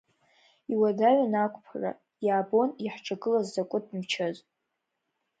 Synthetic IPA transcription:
iwadaɥʷanakʷʰʼpʰara̰ | jaːbo̞niħʈ͡ʂʼʰaɡɨlazdakʷʼʊd̚ʰʼmt͡ʃʰaz

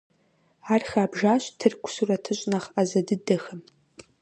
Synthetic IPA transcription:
aːrxaːbʒaːɕtʰɨrkʷʰʊ̥surɐtʰɨɕʷʼnɐχazɐdɨdɐxɐm

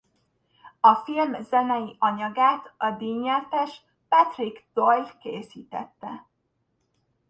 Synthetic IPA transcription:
ɒfilmzɛnɛjiʔɒɲɒɡaːt̪ɒd̪iːɲːɛrt̪ɛʃ | pɛt̪riɡd̪̥ojlkeːsiːt̪ɛ̰t̪ːɛ

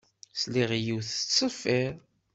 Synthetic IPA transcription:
sliʁjiwθət͡sˤːəfːiɾ

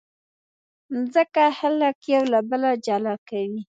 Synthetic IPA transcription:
zəkahaləkjawlabəlad͡ʒalɑkawi

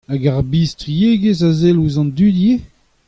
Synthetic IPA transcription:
aɡaʁbiːstʁieɡezazeluzɑ̃nd̪ydje

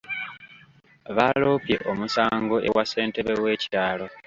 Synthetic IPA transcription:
βalo̞ːpje̞̰ʔo̞musaːŋɡo̞ʔe̞wʔase̞ːnte̞βe̞we̞ːci̥taːlo

